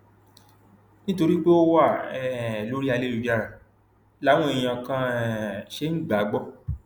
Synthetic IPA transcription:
nĩ˦to˧ɾi˦k͡pe˦o˧wa˦˨ɛ˨lo˦ɾi˦a˧le˦u˨˧d͡ʒa˦˨ɾa˨ | la˦w̃ɔ̃˦ẽ˨˧ã˧kã˧˨ʃe˨˦ŋ̩˦ɡ͡ba˨˦ɡ͡bɔ˦

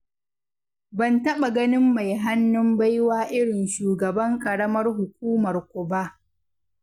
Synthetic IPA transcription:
bɐ˨ntɐ˦ɓa˨ɡɐ˦nɪ˦mːa˨jɦa˦nːʊ˦mba˦jwaː˦ʔɪ˦ɽɪ˨nʃuː˨ɡɐ˨bɐ˦ŋkʼɐ˨ɽɐ˦mɐ˦rɦʊ˨kʷuː˦mɐ˨rkʷʊ˨ba˦ʔ

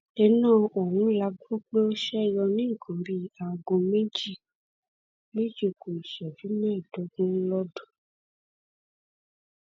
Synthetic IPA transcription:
ɛ˧nãː˦˨o˨wũ˨˦la˧ɡo˦k͡pe˦o˦ʃɛ˦˨jɔ˧nĩ˦˨kʰɔ̃˨bi˧a˨ɡõ˧me˦d͡ʒi˦ | me˦d͡ʒi˦˨ku˨i˨ʃɛ˨vi˨˦mɛ̃˦˨do˨˦ɡũ˦lɔ˦dɔ̃˦˨

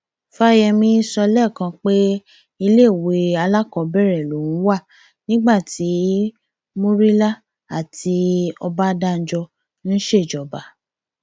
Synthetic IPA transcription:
fa˦jɛ˧mĩ˦sɔ˧lɛ˦˨kã˧k͡pe˦ | i˧le˦˨we˨˦a˧la˦kɔ˧˦bɛ˦˨ɾɛ˨lo˨˦nũ˨˦wa˦˨ | nĩ˦ɡ͡ba˦˨ti˨˦ | mo˦ɾi˦la˦ | a˨ti˧ɔ˧ba˦da˦˨n̩˨˦d͡ʒɔ˧ | ñ̩ː˦ʃe˦˨d͡ʒɔ˨ba˨˦

